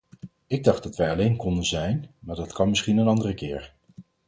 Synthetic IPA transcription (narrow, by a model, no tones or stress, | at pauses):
ɪɡ̚dɑχdɑtʋɛjɑlejnkɔndənzɛjnmaːɹdɑtkɑnmɪsχinənɑndərəkɪːɹ